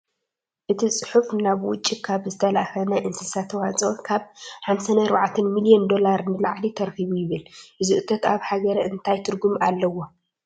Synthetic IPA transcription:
ʔɨt̪ʰisʼɨħufnaβwʊt͡ʃʼːikʰaβzɨt̪ʰɐlʔaxɐnɐʔɨnsɨsat̪ʰɐwat͡sʼokʰaβħamsanɐɾβaʕt̪ʰɐnmilijɛnd̪o̞laɾɨnɨlaʕlit̪ʰɐɾxiβujɪβɨlɨzɨʔut̪ʰɐt̪aβħaɡɐɾɐʔɨnt̪ʰajt̪ʰɨɾɡumalːɐwo

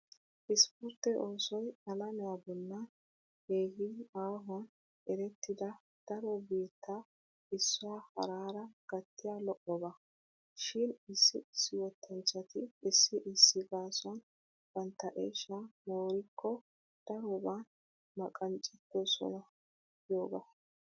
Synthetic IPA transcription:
ʔɪspʊɾt̪ːɛʔoːsɔjɐlɐmɛjabɔlːɐn | heːhɪaːɦɔn | ɛɾɛt̪ːɪd̪ɐ | d̪̥ɐɾɔbeːt̪ʰːa | ɪsːʊwaːhɐ̰ɾaːɾɐɡ̥ɐt̪ːɪjaːlɔʔɔbɐ | ʃɪnɪsːɪɪsːɪwɔt̪ʰːɐnt͡ʃːɐt̪ɪːsːɪʔɪsːɪɡaːsɔn | b̥ɐnt̪ːɐʔeːʃamoːɾɪkʰːɔ | d̪̥ɐɾɔban | mɐkʼɐnt͡ʃʼɪt̪ːɔsɔ̰nɐ | jo̞ːɡɐ̰

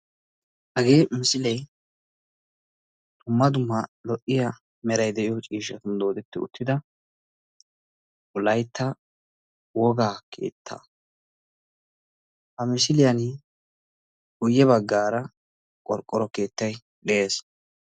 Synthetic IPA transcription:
hɐɡeːmɪsɪlɛj | d̪̥ʊmːɐd̪ʊmːɐlɔʔɪjɐ | mɛɾɐjd̪ɛʔɪjɔt͡ʃʼiːʃ̬ɐt̪ʊnd̪oːd̪ɛt̪ːɪʊ̰t̪ːɪd̪ɐ | ʔʊlɐjt̪ʰːɐ | wɔɡaːkʰḛːt̪ʰːɐ̰ | hɐmɪsɪlɪjɐnɪ | kʊjːɛβɐɡːaːɾɐ | kʼɔɾkʼːɔɾɔke̞ːt̪ːɐj | ɗɛeːs

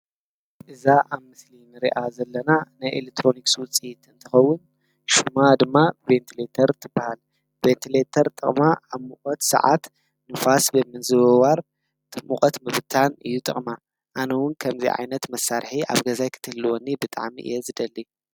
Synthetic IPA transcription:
ʔɨzaʔaβmɨslinɨɾiʔazɐlːɐnanajʔḛlek̚t̪ʰɾo̞nikswʊt͡sʼijit̪ɨnt̪ʰɨxɐwːʊn | ʃumad̪ɨmːavent̪ʰilet̪ʰɐɾt̪ʰɨbːahal | bent̪ʰilet̪ʰɐɾt̪ʼɨ̰χʼmaaβmukʼɔt̪sɐ̰ʕa̰t̪ | nɨfasbɨmɨnzɨβɐwaɾ | t̪ʰɨmːuχʼɐt̪mɨβɨt̪ʰanɨ̰jːut̪ʼɨ̰χʼma | ʔanɐwʊnkʰɐmzḭʕa̰jnɐt̪mɐsːaɾħia̰βɡɐzajkʰɨ̥t̪ʰɨhlːɨwonːibɨt̪ʼa̰ʕmḭʔɨ̰jezɨd̪ɐlːi

